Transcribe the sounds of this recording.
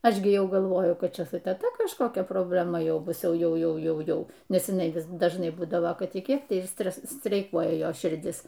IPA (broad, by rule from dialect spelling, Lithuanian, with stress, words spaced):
ˈɐʃ ɡʲɪ ˈjɛʊ ɡɐlˠˈʋoːjʊ ˈkɐt ˈt͡ʃʲɛ sʊ tʲɛˈtɐ kɐʃkoːˈkʲɛ proːbʲlʲɛˈmɐ ˈjɛʊ ˈbʊs ˈjɛʊ ˈjɛʊ ˈjɛʊ ˈjɛʊ nʲɛs ɪˈnɐɪ ʋʲɪs dɐʒˈnɐɪ ˈbuːdɐʋoː ˈkɐt ɪ ˈkʲiɛk tɐɪ ɪr ˈsʲtʲrʲɛs sʲtʲrʲɛɪˈkuɔjɛ ˈjoːs ʃʲɪrʲˈdʲɪs